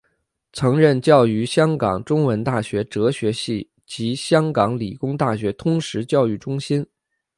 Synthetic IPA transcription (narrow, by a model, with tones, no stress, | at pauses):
t͡sʰɤ˧˥ŋɻə˥˧nt͡ɕjɑ˥˩ʊy˧˥ɕjɑ˥ŋkɑ˨˩ŋʈ͡ʂʊ˥ŋwə˧˥nt̪a˥˩ɕɥɛ˧˥ʈ͡ʂɤ˧˥ɕɥɛ˧˥ɕi˥˩ | t͡ɕi˧˥ɕjɑ˥ŋkɑ˧˥ŋli˨˩kʊ˥ŋt̪a˥˩ɕɥɛ˧˥t̪ʰʊ˥ŋʂɻ̩˧˥t͡ɕjɑ˥˧ʊy˥˩ʈ͡ʂʊ˥ŋɕi˥n